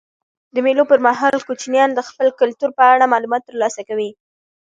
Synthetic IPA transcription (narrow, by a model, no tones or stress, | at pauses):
d̪əmelopəɾmaɦɑlkot͡ʃnjɑnd̪əxpəlkʊlt̪uɾpəaɽamɑlumɑt̪ːəɾlɑsakawi